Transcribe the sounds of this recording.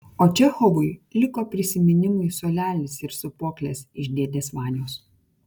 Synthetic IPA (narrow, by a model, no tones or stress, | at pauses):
oːt͡ʃʲɛxɔʋʊɪlʲɪkoːpʲɾʲɪsʲɪmʲɪnʲɪmʊɪsoːlʲæːlʲɪsɪɾsʊpoːklʲeːsɪʒʲd̪ʲeːd̪ʲeːsʋɑːnʲjoːs